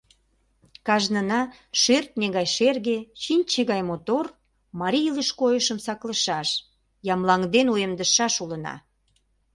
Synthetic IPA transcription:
kɑʒnənɑ | ʃert̪̚neɣɑjʃerɣet͡ɕinʲt͡ɕeɣɑjmot̪or | mɑɾʲijləʃkojəʃəmsɑkləʃɑʃ | jɑmlɑŋd̪enujemd̪əʃɑʃulə̆nɑ̰

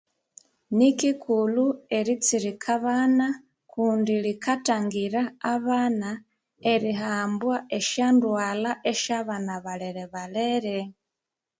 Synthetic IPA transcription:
nikikʰulue̞ɾit͡siɾikʰaβaːna | kuːndilikataŋɡiɾaːβaːna | eɾiɦaːmbwae̞ʃandwaːlaʔe̞ʃaβanaβaleɾeβaleɾe

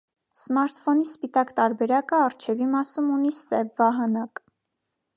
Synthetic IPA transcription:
smɑɾt̪fɔnispit̪ɑkt̪ɑɾbɛɾɑkəɑrt͡ʃʰɛvimɑsumunisɛvːɑɦɑnɑk

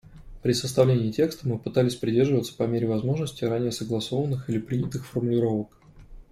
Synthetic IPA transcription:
pɾʲɪsəst̪ɐvlʲenʲɪːtʲe̞kst̪əmɨpɨt̪alʲɪsʲpɾʲɪdʲe̞rʐɨvət̪sə̥pɐmʲeɾʲɪvɐzmo̞ʐnəsʲtʲɪɾanʲɪjəsəɡlˠɐso̞vənːɨxilʲɪpɾʲinʲɪt̪ɨxfərmʊlʲɪɾo̞vək

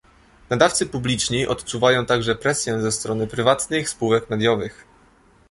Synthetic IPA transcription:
nad̪aft̪sɘpublʲit͡ʂɲiʔɔt̪t͡ʂuvajɔ̃w̃t̪aɡʐɛpɾɛsʲjɛzɛst̪ɾɔnɘpɾɘvat̪nɘxspuwɛkmɛd̪ʲjɔvɘx

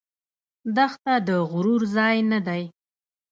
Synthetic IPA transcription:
d̪axt̪ad̪əɣʊɾuɾzɑjnad̪aj

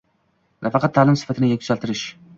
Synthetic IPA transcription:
nʔafɑqʰɑt̪ʰːaːlˠɪmsɪ̥fat̪ʰɪnɪjakʲʰt͡ʃʰalˠt̪ɪɾɪʃ

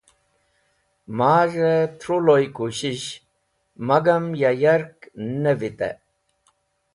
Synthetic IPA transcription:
maːʐet̪ʰɾulojkuɕiɕ | mɐɡɐmjajaɾknevit̪ḛ

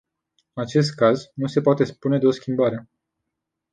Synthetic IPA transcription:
at͡ʃe̞s̬t̪̚kaznuse̞poat̪e̞spune̞d̪eo̞skʲimbaɾe̞

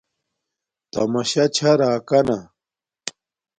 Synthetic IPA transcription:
t̪ɐ̰mɐɕɐt͡ɕʰɐɾaːkɐnɐ

